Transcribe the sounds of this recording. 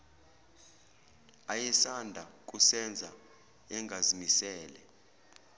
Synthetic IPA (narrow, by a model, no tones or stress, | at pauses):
ajɛsandʱak̬ʼusɛnd͡zʱa | ɛŋɡʱazimisɛːlɛ̰